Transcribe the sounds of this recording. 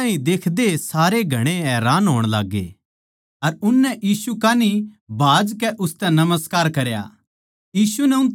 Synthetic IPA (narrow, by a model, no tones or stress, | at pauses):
ãːɦĩd̪eːkʰd̪esaːɾeɡʱɐɽ̃eɦɛːɾaːnɦoːɽ̃la̰ːɡːḛː | ɐɾʊnːɛʔjiːsukaːni | bʱaːd͡ʒkɛʔʊst̪ɛ̃nɐməskaːɾkɐɾja̰ː | jiːsunɛʊ̃nt̪